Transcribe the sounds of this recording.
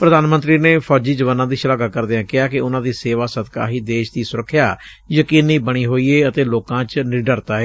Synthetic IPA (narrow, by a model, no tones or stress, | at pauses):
pɾəd̪aːnmə̃nt̪ɾiːneːpʰɔːd͡ʒiːd͡ʒəʋaːnãːd̪iːʃəlaːɡaːkəɾd̪eːãːkɪaːkɪʊnãːd̪iːseːʋaːsət̪ka̰ːɦiːd̪eːʃd̪iːsʊɾəkʰːjaː | jəkiːniːbəɽ̃iːɦoːiːeːət̪eːloːkãːt͡ʃnɪɾɖəɾt̪aːeː